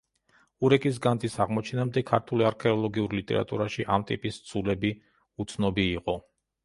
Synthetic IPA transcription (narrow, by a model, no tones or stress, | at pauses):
uɾɛkʼis̬ɡand̪isaʁmɔt͡ʃʰɛnamd̪ɛkʰaɾt̪ʰuliaɾkʰɛɔlˠɔɡiuɾlit̪ʼɛ̰ɾa̰t̪ʼṵɾaʃiʔamt̪ʼḭpʼist̪sʰulɛbi | ut̪sʰnɔbiːqʼɔ